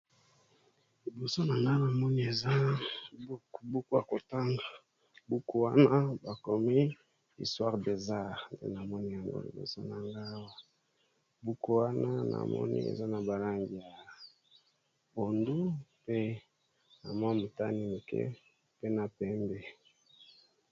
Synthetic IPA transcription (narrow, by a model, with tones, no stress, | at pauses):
li˨bo˨so˦na˨ŋɡa˦a˨mɔ˦ni˦e˨za˦ | bu˦ku˦a˨ko˨ta˦ŋɡa˨ | bu˦ku˦wa˦na˦ba˨ko˨mi˦ | ḭ˨swa˦ʁde˨za˦ndḛ˦na˨mɔ˦ni˦ja˨ŋɡo̰˦lḭ˨bo̰˨so̰˦na˨ŋɡa˦wa˦ | bu˦ko˦wa˦na˦na̰˨mɔ̰˦nḭ˦ḛ˨za˦na˨ba˨la˦ŋɡi˨ja˨ | bo˨ndu˦pe˦ | na̰˨ma˦˨mo˨ta˦ni˦mo˨kḛ˦ | pe˦na˨pɛ˦mbɛ˨